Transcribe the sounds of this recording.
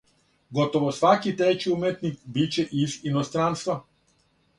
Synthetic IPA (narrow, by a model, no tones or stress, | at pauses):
ɡot̪oʋosʋakit̪ɾet͡ɕiumet̪nikbit͡ɕeʔizinost̪ɾanst̪ʋa